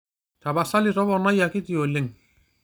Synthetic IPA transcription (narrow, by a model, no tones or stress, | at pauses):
t̪ʰabasaliɾɔbɔnajakit̪iolɪŋ